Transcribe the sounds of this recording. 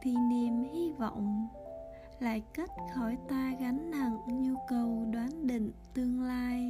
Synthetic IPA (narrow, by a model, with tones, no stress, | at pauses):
t̪ʰi˨˩ne˨˩mhi˧vɔ̰˧˨wŋ͡m | la̰ː˧˨jkə˦˥t̚xɔ˧˩jt̪aː˧ɣa˨˦ŋna̰˧˨ŋɲu˧kə˨˩wɗwaː˨˦nɗḭ˧˨ŋ̟t̪ɨ˧əŋlaː˧j